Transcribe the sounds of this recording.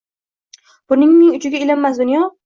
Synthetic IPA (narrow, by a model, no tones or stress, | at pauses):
b̥ʊnɪŋmɪŋʊt͡ʃɪɡʲaɪlamːasd̪ʊnjɒ